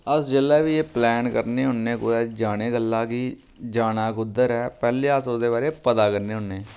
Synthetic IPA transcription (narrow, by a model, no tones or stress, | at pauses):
əsd͡ʒelːɛːʋiːeːplɛːnkəɾneːɦʊnːẽːkʊɛːd͡ʒaːɽeːɡəlːãːkiː | d͡ʒaːnaːkʊd̪əɾɛːpɛːleːasʊd̪eːbaːɾeːpət̪aːkəɾneːɦʊnːeː